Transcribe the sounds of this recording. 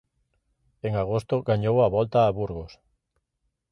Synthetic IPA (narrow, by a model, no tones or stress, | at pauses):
eŋaɣost̪oɡaɲowaβɔlt̪aːβuɾɣos